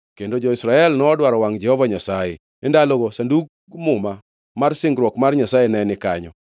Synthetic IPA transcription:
kendod͡ʒɔisɾaɛlnɔːdwaɾɔwaŋd͡ʒɛhɔvaɲasajḛ | endaloɡɔsanduɡ̚ | mʊma | marsɪŋɡɾwɔkmarɲasajenɛnɪkaɲɔ̰

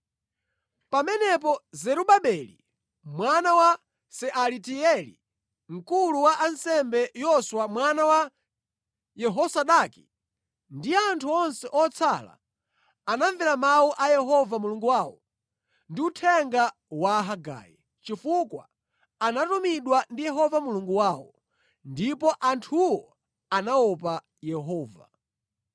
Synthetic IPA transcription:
pamɛnɛp̬ɔzɛɾuɓaɓɛlḭ | mwanawa | sɛʔalitiɛlḭ | ŋ̩kuluwaʔansɛmbɛjɔswamwanawa | jɛɦɔsaɗaki̥ | ndiantʰuɔnsɛʔɔt͡sʰala̰ | anaɱviɾamawuʔajɛɦɔvamuluŋɡuwawɔ̰ | ndiutʰɛŋɡa | waɦaɡa̰ːji | t͡ʃifukwa̰ | anatumiɗwandijɛɦɔvamuluŋɡuwawɔ | ndipɔʔantʰuwɔ | anaɔpa | jɛɦɔːva̰

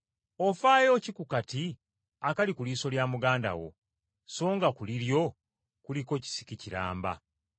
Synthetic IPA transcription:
ofaːjo̞ːcikukati | akalikuliːso̞ljaːmuɡaːnda̰wo̞̰ | so̞ːŋɡakuliɾjo̞ | kuliko̞ci̥si̥kiciɾa̰ːmba̰

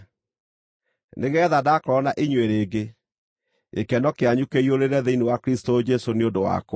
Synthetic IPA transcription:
neɣɛðadakɾɔnaʔiɲweɾeːɡe | ekɛnɔkeaɲukeioɾeɾɛðeinewakɾistod͡ʒɛsoneondowa̰kw

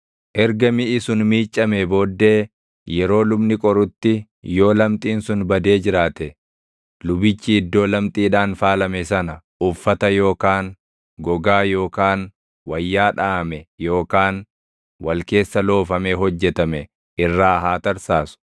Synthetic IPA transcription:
ʔɛɾɡɐmɪʔɪsʊnmiːt͡ʃʼːɐmebo̞ːd̪ːe̞ː | jɛɾo̞ːlʊbnɪkʼɔɾʊt̪ːɪ | jo̞ːlɐmt̪ʼiːnsʊnbɐd̪e̞ːd͡ʒɪɾaːt̪ɛ | lʊbɪt͡ʃːɪːd̪ːo̞ːlɐmt̪ʼiːᶑaːnfaːlɐmɛsɐnɐʔʊfːɐt̪ɐjo̞ːkaːn | ɡɔɡaːjo̞ːkaːn | wɐjːaːᶑaːmɛjo̞ːkaːn | wɐlke̞ːsːɐlo̞ːfɐmeɦɔd͡ʒːɛt̪ɐmɛ | ɪrːaːɦaːt̪ɐɾsaːsʊ̥

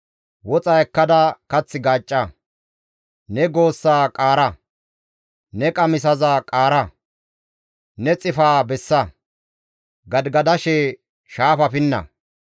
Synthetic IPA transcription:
wɔt͡sʼɐjkːɐd̪ɐkɐt͡sːɪɡaːt͡ʃʼːɐ | nɛɡo̞ːsːaːkʼaːɾɐ | nɛkʼɐmɪs̬ɐzaːkʼaːɾɐ | nɛt͡sʼɪfaːbɛsːɐ | ɡɐd̪ɡɐd̪ɐʃɛ | ʃaːfɐfɪnːɐ̰

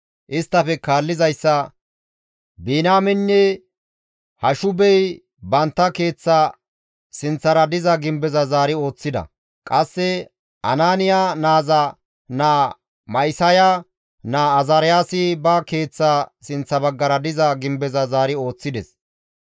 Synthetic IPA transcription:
ʔɪst̪ːɐfɛkaːlːɪzɐjsːɐ | biːnaːmɛnːɛ | hɐʃʊbɛj | bɐnt̪ːɐke̞ːt͡sːa | sɪnt͡sːɐɾɐd̪ɪzɐɡɪmbɛzɐzaːɾɪo̞ːt͡sːɪd̪ɐ̰ | kʼɐsːɛ | ʔɐ̰naːnɪjanaːzɐ | naː | mɐjsɐja | naːzɐɾɪjaːsɪbɐke̞ːt͡sːasɪnt͡sːɐbɐɡːɐɾɐd̪ɪzɐɡɪmbɛzɐzaːɾɪo̞ːt͡sːɪd̪ɛs

